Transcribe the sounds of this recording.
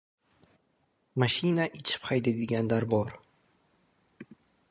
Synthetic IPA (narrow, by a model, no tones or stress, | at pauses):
maʃinaʔɪt͡ʃʰɪ̥phajd̪ed̪ɪɡʲanlaɾbɒɾ